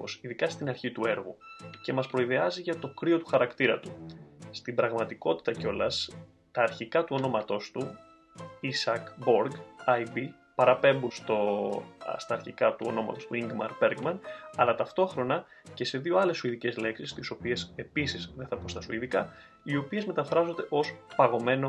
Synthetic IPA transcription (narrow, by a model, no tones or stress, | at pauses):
posiðikɐst̪inɐɾçit̪ue̞ɾɣuce̞mɐspɾo̞iðe̞ɐziʝɐt̪o̞kɾio̞t̪u̥xɐɾɐkt̪iɾɐ̰t̪u̥ːt̪ibɾɐɣmɐt̪iko̞t̪i̥t̪ɐceo̞lɐ̰s | t̪ɐːɾçikɐt̪uo̞no̞mɐt̪o̞st̪u | isɐkbo̞ɾɡɐjbi | pɐɾɐpe̞mbunst̪o | st̪ɐːɾçikɐt̪uo̞̰no̞mɐ̰t̪ost̪uiŋɡmɐ̰ɾbe̞ɾɡmɐnɐlɐt̪ɐft̪o̞xɾo̞nɐ | ce̞se̞ðio̞ɐle̞suiðice̞zle̞ksist̪iso̞pie̞se̞pisizðeθɐpost̪ɐsuiðikɐ | io̞pie̞zme̞t̪ɐfɾɐzo̞nd̪e̞ʔo̞spɐɣo̞me̞no̞